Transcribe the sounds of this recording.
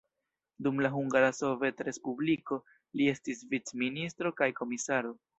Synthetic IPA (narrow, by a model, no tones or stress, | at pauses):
dumlaɦuŋɡaɾaso̞ve̞tɾe̞spubliko̞ | lie̞stisvit͡sministɾo̞kajko̞misaɾo̞